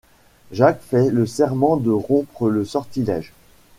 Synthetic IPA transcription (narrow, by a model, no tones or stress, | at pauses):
ʒakfɛləsɛʁmɑ̃d̪əʁɔ̃pχələsɔʁt̪ilɛ̰ʒ